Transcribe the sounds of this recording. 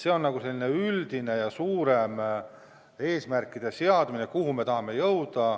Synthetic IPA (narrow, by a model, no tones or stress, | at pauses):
se̞o̞nːnɑɡ̥use̞lːine̞yld̪̥ine̞jɑsuːɾe̞m | e̞ːsmærkːˑid̪̥e̞seɑd̪mine̞kuhume̞t̪ɑɦɑme̞jɤwd̪̥ɑ